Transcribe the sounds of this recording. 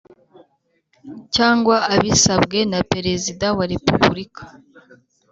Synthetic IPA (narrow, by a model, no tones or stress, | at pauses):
caːŋɡwaːβisabɡe̞nape̞ɾe̞zidawaɾe̞puβuɾikḁ